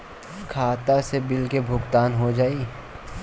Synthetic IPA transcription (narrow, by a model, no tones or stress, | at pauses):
kʰaːt̪asebɪlkebʱʊɡt̪aːnɦod͡ʒaːi